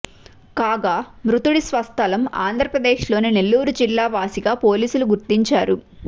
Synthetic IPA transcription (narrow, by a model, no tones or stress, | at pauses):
kaːɡaːmɾut̪uɽisʋɐst̪ʰɐlɐma̰ːnd̪ʱɾɐpɾɐd̪eːʃlo̞ːninelːuːɾud͡ʒilːaːʋaːsiɡaːpoːliːsuluɡuɾt̪iɲt͡ʃaːɾu